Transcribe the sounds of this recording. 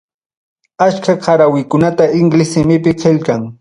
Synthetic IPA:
at͡ʃkaqʰaɾawɪkʊnat̪aɪŋɡlɪsɪmɪpɪqeʎkaŋ

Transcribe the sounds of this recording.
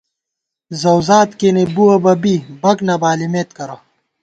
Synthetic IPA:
zɐwzaːt̪kenebuɐbɐbibɐknɐbaːlimeːt̪kɐɾo

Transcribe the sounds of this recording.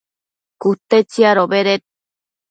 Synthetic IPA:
kut̪et͡siaɾobeɾet̪̚

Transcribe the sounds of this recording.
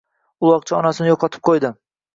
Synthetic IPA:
ʊlˠɒq̚t͡ʃʰaɒnasɪnɪjoqʰɒt̪ʰɪ̥p̚qʰojd̪ɪ

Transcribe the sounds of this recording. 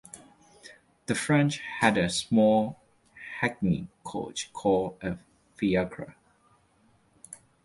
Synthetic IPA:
ð̥əfɹɛ̃nt͡ʃhædəsmɔl | hɛk̚nḭkʰo̰t͡ʃkʰɔldə | fiakʰɹə̰

